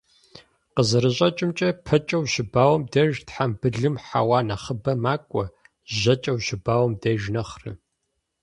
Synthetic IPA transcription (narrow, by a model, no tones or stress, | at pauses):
qəzɐɾɨɕʼɐt͡ʃʼɪmt͡ʃʼɐpʰɐt͡ʃʼɐwʃɪbaːwɐmdɐʒtħambɨɮɨmħa̰waːnɐχəbɐmaːkʷʼɔ | ʑɐt͡ʃʼɐwɕɪbaːwɐmdɐʒnɐχrɨ̰